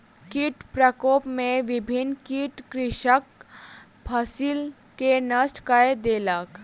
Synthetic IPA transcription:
kiʈpɾəkoːpmẽʋɪbʱɪnkiːʈkɾɪʃək̚ | pʰɐsiːl | kenəsʈkaed̪eːlək

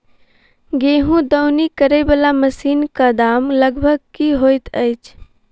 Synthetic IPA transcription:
ɡeːɦũd̪əʊnikəɾəjbəlaməsiːnkad̪aːmləɡbʱəɡ̚kiɦojt̪əɪt͡ʃʰ

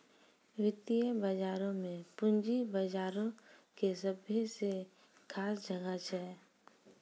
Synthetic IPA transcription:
wɪt̪ijəbəd͡ʒaːɾõmẽpʊnd͡ʒibəd͡ʒaːɾõkesəbʱjese | kʰaːsd͡ʒʱəɡət͡ʃɛː

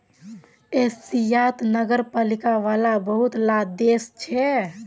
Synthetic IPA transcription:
esijat̪nəɡəɾpalikaʋalabəɦut̪lad̪est͡ʃʰɛ

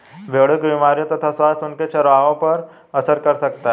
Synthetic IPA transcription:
beːɽʊkbimaːɾijõt̪ɐt̪ʰaswaːst̪ʊnket͡ʃʰɐɾʋaːʋõpɐɾ | ɐsəɾkɐɾsɐkt̪aɦɛ

